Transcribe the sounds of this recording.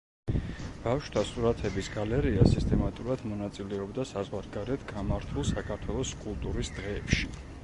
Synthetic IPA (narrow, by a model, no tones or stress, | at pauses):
b̥afʃt̪ʰasuɾat̪ʰɛbisɡalɛɾiasist̪ʼɛmat̪ʼuɾad̪mɔnat̪sʼilɛɔbd̪asazʁwaɾɡaɾɛt̪ʰɡamaɾt̪ʰulˠsakʰaɾt̪ʰwɛlˠɔskʼulˠt̪ʼuɾisd̪̥ʁɛːpʃi̥